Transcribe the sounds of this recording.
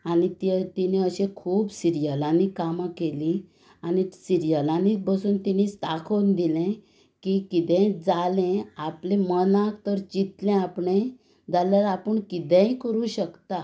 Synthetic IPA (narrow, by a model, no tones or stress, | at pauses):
anit̪t̪inẽəɕẽkʰuːbsiɾijəlãnikamakeli | anisiɾijəlãnibəsuːnt̪inist̪akʰond̪ilɛ̃ | kikit̪ɛ̃d͡zalẽaplẽmənãk̚t̪əɾd͡ʑit̪lɛ̃apɳẽ | d͡zalaɾapəɳkit̪ɛ̃ikəɾuɕəkt̪a